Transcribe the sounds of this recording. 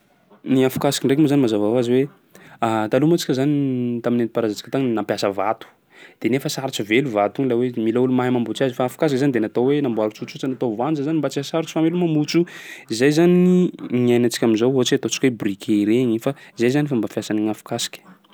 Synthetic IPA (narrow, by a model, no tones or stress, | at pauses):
niafu̥kasi̥kʲiɳɖ͡ʐek̬umazanimazavawaziwe | at̪alumat͡si̥kʲəzanit̪aminenipaɾazat͡si̥kə̥t̪aŋnampjasəvat̪u̥ | d̪̥enefəsaɾut͡ʃiveluvat̪uɲlawemilaulumaɦimambut͡ʃiazifaafu̥kas̬ikzanid̪enat̪owenambwaɾut͡sut͡sut͡sanat̪ovand͡ʒəzanimbat͡sikəsaɾut͡ʃə̥famelumambut͡suizajzaniɲajnat͡si̥kʲaminzowoat͡ʃiat̪ot͡si̥kʲwebrikʰʲeɾeɲifaizajzanifambafjasaniɲafu̥kasi̥kʲi̥